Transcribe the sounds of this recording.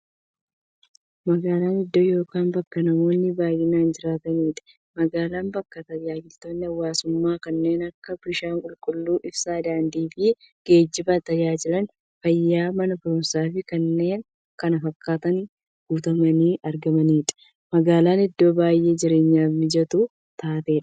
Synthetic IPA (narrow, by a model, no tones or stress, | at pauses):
mɐɡaːlaːnɪd̪ːojo̞ːkaːnbɐkːɐnɐmo̞ːnːɪbaːjɪnaːnd͡ʒɪɾaːt̪ɐniːᶑ̪ɐ̥ | mɐɡaːlaːmbɐkːɐt̪ɐjaːd͡ʒɪlt̪oːnːɪɐwːaːsʊmːaːkɐnːe̞ːnɐkːɐbɪʃaːŋkʼʊlkʼʊlːuːʔɪbsaːd̪aːnd̪iːfɪ | ɡ̥e̞ːd͡ʒːɪbɐt̪ɐjaːd͡ʒɪlɐn | fɐjːaːmɐnɐbʊɾʊnsaːfɪkɐnːe̞ːŋ | kɐnɐfɐkːaːt̪ɐn | ɡ̥uːt̪ɐmɐniːʔɐɾɡɐmɐniːᶑɐ̥ | mɐɡaːlaːnɪd̪ːo̞ːbaːjʔe̞ːd͡ʒɪɾe̞ːɲːaːfmɪd͡ʒɐt̪uː | t̪aːt̪e̞ːᶑɐ̥